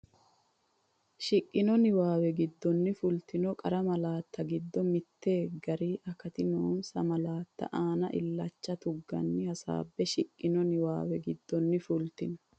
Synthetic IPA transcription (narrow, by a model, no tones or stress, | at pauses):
ʃɪkʼːɪnɔnɪwaːwɛɡɪd̪ːɔnːɪfʊlt̪ɪnɔkʼɐɾɐmɐlaːt̪ʰːɐɡɪd̪ːɔmɪt̪ːe̞ːɡɐɾiːʔɐkɐt̪ɪnuːnsɐmɐlaːt̪ːɐ̰ʔaːnɐʔɪ̰lːɐt͡ʃːɐt̪ʊɡːɐ̰nːɪhɐsa̰ːbːɛʃɪkʼːɪnɔnɪwa̰ːwɛɡɪd̪ːɔnːɪfʊlt̪ɪnɐ̥